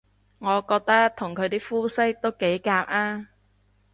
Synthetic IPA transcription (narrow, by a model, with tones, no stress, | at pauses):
ŋɔː˨˧kɔː˧k̚t̪ɐ˥t̪ʰʊ˨˩ŋkʰɵ˨˧ɥt̪iː˥fuː˥sɪ˥k̚t̪o˥wke˨˥jkaː˧p̚aː˥